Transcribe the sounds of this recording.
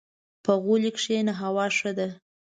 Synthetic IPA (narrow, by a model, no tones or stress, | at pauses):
pəɣulikʂenaɦawɑʂəd̪a